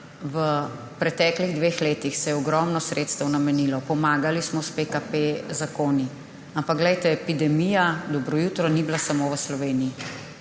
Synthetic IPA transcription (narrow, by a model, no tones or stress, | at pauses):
ʋə | pɾɛt̪ɛːkliɣd̪ʋeːxleːt̪ixsɛjɛɔɡɾɔmnɔsɾeːt̪st̪əwnamɛnilɔpɔmaːɡalismɔspekapezakoːni | ampakɡlɛjt̪ɛːpid̪ɛmijad̪ɔbɾɔjut̪ɾɔniblasamoːʋəslɔʋeːniji